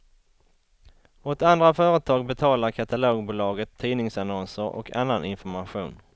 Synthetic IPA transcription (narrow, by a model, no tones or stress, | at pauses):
ot̪and̪ɾafœːɾət̪ʰɑːɡ̚bɛt̪ʰɑːlaɾkʰat̪aloːɡbuːlɑːɡət̪ʰːiːnɪŋsanɔnsəɾɔ̰kʰa̰nːanɪnfɔɾmaɧṵːn